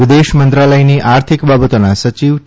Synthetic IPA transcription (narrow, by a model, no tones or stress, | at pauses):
id̪eʃmənt̪ɾaləjniʔaɾt̪ʰikbabət̪onasət͡ʃiʋ